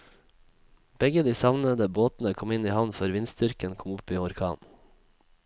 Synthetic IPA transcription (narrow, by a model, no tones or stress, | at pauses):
b̥ɛɡəd̪iːsɑʋnəd̪əboːt̪n̩əkʰɔmɪniːhɑʋnføːɾʋɪnsd̪ʏɾkənkʰɔmʊpiːɔɾkʰɑ̰ːn